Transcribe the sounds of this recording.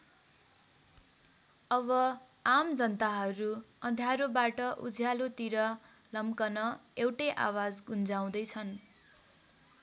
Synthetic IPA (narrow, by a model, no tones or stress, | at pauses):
ʌβʌ | amd͡zʌnt̪aɦʌɾuʌd̪ʱjaɾobaʈʌʔud͡zʱjalot̪iɾʌ | lʌmkʌnʌewʈʌʔa̰wad͡zɡund͡zaw̃d̪ʌjt͡sʰʌn